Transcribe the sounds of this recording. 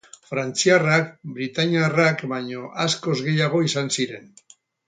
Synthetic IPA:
fɾant͡siarakbɾit̪aɲierakbaɲo̞ʔasko̞zɣe̞jaɣ̞o̞isansiɾe̞n

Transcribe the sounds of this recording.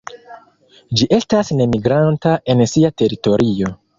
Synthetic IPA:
d͡ʒiʔe̞stasne̞miɡɾantaʔe̞nsiate̞ɾito̞ɾio̞

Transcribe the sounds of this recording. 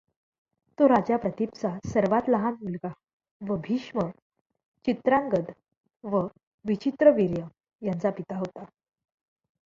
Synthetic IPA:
t̪oɾad͡ʑjapɾət̪ipt͡sasəɾʋat̪ləɦãnmulɡa | ʋəbʱiɕmə | t͡ɕit̪ɾãŋɡəd̪ | ʋə | ʋit͡ɕit̪ɾəʋiɾjə | jant͡sapit̪aɦot̪a

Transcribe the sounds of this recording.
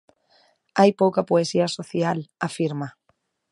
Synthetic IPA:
ajpowkapoesiasoθjalafiɾma

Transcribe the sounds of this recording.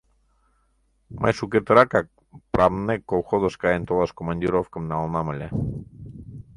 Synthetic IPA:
ma̰jsuket̪əɾakak | pɾamnekowxoðoskaent̪oðaskomand̪iɾofkəmnalˠnaməlʲe

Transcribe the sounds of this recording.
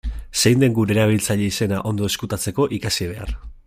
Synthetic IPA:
se̞jnd̪e̞ŋɡuɾeɾaβ̞ilt͡saʎe̞ise̞naʔo̞nd̪o̞e̞skut̪at͡se̞ko̞ʔikasiβ̞e̞a̰r

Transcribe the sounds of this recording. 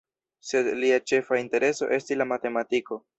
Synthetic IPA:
se̞dliat͡ʃe̞fainte̞ɾʔe̞so̞̰ʔe̞stislamate̞matiko̞

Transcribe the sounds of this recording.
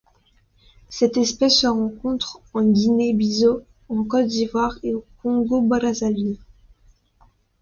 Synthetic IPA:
sɛt̪ɛspɛsːəʁɑ̃kɔ̃t̪χɑ̃ɡʲinebizo | ɑ̃kɔt̪̚d̪ivwaʁeokɔ̃ɡobaʁazali

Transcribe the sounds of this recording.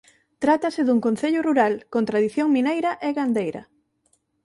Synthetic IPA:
t̪ɾat̪ɐsɪðuŋkon̟θeʎʊruɾalkõnt̪ɾaðiθjoŋmĩnejɾɐʔeɣand̪ejɾɐ̰

